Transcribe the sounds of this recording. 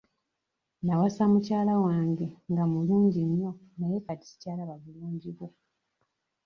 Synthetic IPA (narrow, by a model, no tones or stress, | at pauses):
nawasamucaːlawaːŋɡe̞ŋɡamuluːɲɟinːo̞najekatisi̥caːlaβavuluːɲɟiβwo